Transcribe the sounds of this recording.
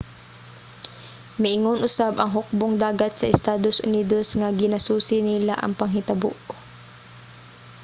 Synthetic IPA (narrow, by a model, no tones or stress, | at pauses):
mɪʔɪŋonʔʊsabʔɐŋɦʊk̚boŋd̪aːɡat̪̚sɐʔɪst̪aːd̪osʔʊ̰niːd̪osŋɐɡɪnɐsuːsɪnɪlaʔɐ̰ŋpɐŋɦɪt̪ɐbʊ̰ʔ